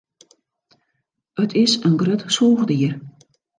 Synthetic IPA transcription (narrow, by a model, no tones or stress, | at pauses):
ətʰɪsənɡrətsoːɣdiər